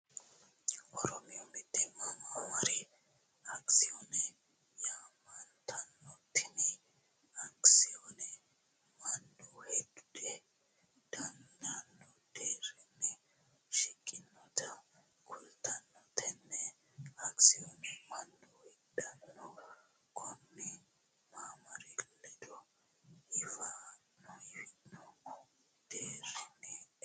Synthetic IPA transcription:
ʔɔɾɔmɪjɔmɪd̪ːɛmːɐmwɐɾɛ | ɐksɪjɔnɛ | jamɐnt̪ʰɐnːɔt̪ːɪnɛ | ɐksɪjɔnɛ | mɐnd̪uhɛd̪ʊd̪ɛ | d̪̥ɐnd̪ɐnːɔd̪̥eːɾɛnːɛ | ʃɪkʼːɪnːɔt̪ʰɐ | kʰʊlt̪ɐnːɔt̪ɛnːɛ | ɐksɪjɔnɛmɐnd̪uhɛdɐnːɔ | kʰɔmːɪ | maːmɐɾɪlːɛd̪ɔ | ɪfanːɔɪfɪnːɔk | d̪̥eːɾɪnɛ

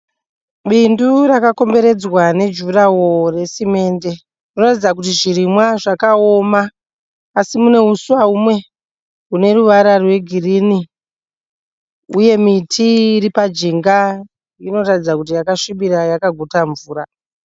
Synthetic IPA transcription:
ɓindurakako̞mbe̞ɾe̞d͡zwane̞d͡ʒurawo̞re̞sime̞ːnde̞ | rinoratid͡zak̬utiʐirimwaʐakao̞maː | simune̞usuwaumwe̞ | une̞ruʋaɾarwe̞ɡʱirini | uje̞mitʰiripad͡ʒiŋɡa | ino̞ratid͡zakutijakaʂiɓiɾajakaɡʱotaɱvuːɾa

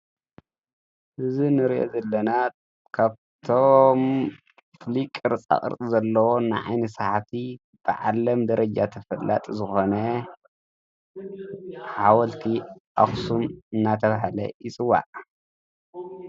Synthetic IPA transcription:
ʔɨzinɨɾiʔo̰zɐlːɐna | kʰaβ | t̪ʰom | flikʼɨɾt͡sʼa̰χʼɨ̰ɾt͡sʼizɐlːɐwonɨʕa̰jnɐsaħat̪i | b̥ɨ̰ʕa̰lɐmd̪ɐɾɐd͡ʒat̪ʰɐfɐlːa̰t̪ʼzɨxo̞nɐ | ħawɐlt̪ʰiʔa̰xsumɨnːat̪ʰɐβaɦalɐ̰jɪt͡sʼɨwːa̰ʔ

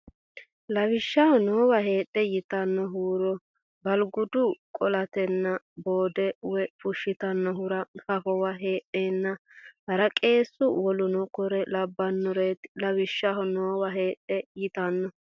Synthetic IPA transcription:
lɐwɪʃːɐhɔnoːwɐɦe̞ːtʼːɛjɪt̪ɐnːɔɦuːɾɔ | bɐlɡʊd̪ʊkʼɔlɐt̪ɛnːɐ | boːd̪ɛwɛfʊʃːɪt̪ɐnːɔɦʊɾɐkɐfɔwɐɦeːʔeːnːɐhɐɾɐkʼe̞ːsːʊwɔlʊnɔkɔɾɛlɐbːɐnːɔɾeːt̪lɐwɪʃːɐɦɔnoːwɐɦeːᶑɛjɪt̪ɐnːɔ

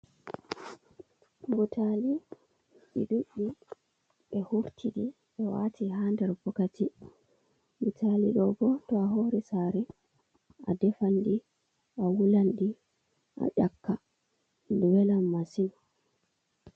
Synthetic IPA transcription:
mutʰali | ɓḭɗuɓːi | ɓɛhuɾtʰiɗi | ɓɛwa̰tʰihandɛɾbɔkatʰi | mutʰalḭɗɔbɔtɔaɦoɾisaɾɛ | ʔadɛfandi | ʔawulandi | ʔa̰ʄakːa | duwɛlamːasin

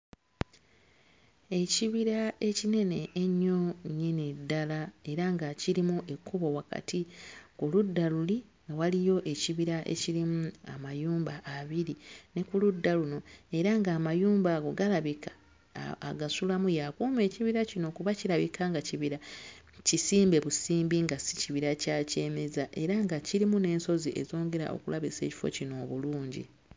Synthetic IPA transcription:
e̞ciβiɾae̞cine̞ne̞ːɲːo̞ɲːene̞dːalae̞ɾaŋɡaciɾimuʔe̞kːuβo̞waka̰tʰikuludːaluliŋɡawalijo̞ʔe̞ciβiɾaʔe̞̰cilimua̰majuːmbaʔːβiɾine̞kuludːaluno̞e̞ɾaŋɡaːmajuːmbaɡoɡalaβika̰ː | ɡasulamujakuːme̞ːciβiɾacino̞kuβaciɾaβikaŋɡaciβiɾa | cisiːmbe̞βusiːmbiŋɡasi̥ciβiɾacaːce̞mezaʔe̞ɾaŋɡaciɾimune̞ːnso̞ziʔe̞̰zo̞ːŋɡe̞ɾa̰ʔo̞̰kulaβise̞ːci̥fo̞̰cino̞ːβuluːɲɟḭ

